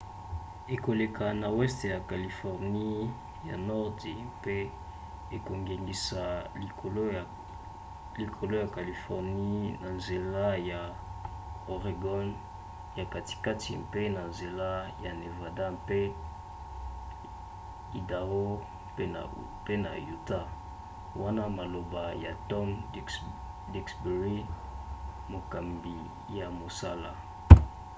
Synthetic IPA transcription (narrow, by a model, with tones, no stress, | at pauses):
e˨ko˨le˨kʰa˨na˨wɛ˦ste˨ja˨ka˨li˨fɔ˨ʁni˦ | ja̰˨nɔ˦ʁde˨mpe˦ | e˨ko˨ŋɡe˨ŋɡi˨sa˨o˨l | li˨kʰo˨lo˦ja˨ka˨li˨fɔ˨ʁni˦na˨nze˨la˦ja˨ | o˨ʁe˨ɡɔ˦n | ja˨ka˨ti̥˨ka˦ti˨mpe˦na˨nze˨la˦ja˨ne˨va˨da˦mpe˦ | i˨da˨o̰˦ | pe˦na̰˨ju˨ta˦ | wa˦na˦ma˨lo˨ba˨ja˨tɔ˦m | di˦ksbe˨ʁi˦ | mo˨ka˨mbi˨ | ja˨mo˨sa˦la̰˨